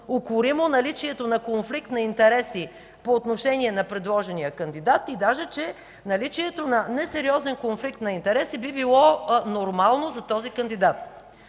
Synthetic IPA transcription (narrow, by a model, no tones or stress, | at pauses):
okʊɾimonɐlit͡ʃiɛt̪onɐkonflik̚t̪nɐint̪ɛɾɛsi | poːt̪noʃɛniɛnɐpɾɛd̪lˠɔʒɛnijəkənd̪id̪at̪id̪aʒɛt͡ʃɛ | nɐlit͡ʃiɛt̪onɐnɛsɛɾiɔzɛnkonflikt̪nɐint̪ɛɾɛsibibilˠɔnoɾmalˠnozɐt̪ɔzikənd̪id̪at̪̚